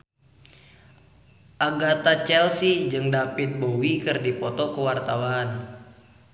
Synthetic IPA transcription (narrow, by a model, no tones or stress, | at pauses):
ʔaɡat̪at͡ʃɛlsid͡ʒɨŋdapɪt̪̚bowikɨrdipɔt̪ɔkəwart̪awaːn